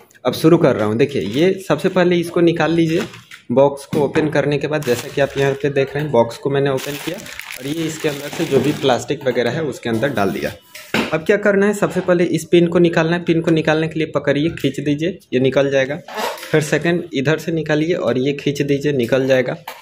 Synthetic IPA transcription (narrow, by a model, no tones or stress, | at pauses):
ɐbʃʊɾukɐɾːɐ̰ɦũd̪eːkʰijḛjesɐbsepɛɦleɪskonɪkaːlːiːd͡ʒieːbɔːkskooːpənkɐɾnekebaːd̪̚d͡ʒɛːsakiaːpjɐɦãped̪eːkʰɾeɦɛ̃bɔːkskomɛːneoːpənkijaɔːɾjeɪskeɐ̃nd̪əɾsed͡ʒoːbʱiplaːsʈɪkbɐɡɛːɾaɦɛʊskeɐ̃nd̪əɾɖa̰ːld̪ḭja̰ː | ɐb̚kjaːkɐɾnaɦɛsɐbsepɛɦleʔɪspiːnkonɪkaːlnaɦɛpiːnkonɪkaːlnekeliepɐkəɾiekʰit͡ʃd̪iːd͡ʒiejenɪkəld͡ʒaːeɡaːpʰɪɾsɛkə̃ɳɖɪd̪ʱəɾsenɪkaːlieʔɔːɾjekʰiːt͡ʃd̪iːd͡ʒienɪkəld͡ʒaːeɡaː